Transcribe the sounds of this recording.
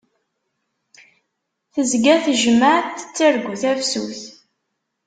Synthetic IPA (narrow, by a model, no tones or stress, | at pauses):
θəzɡæθʒəməʕθə̥t͡sːəɾɡuθæfsṵθ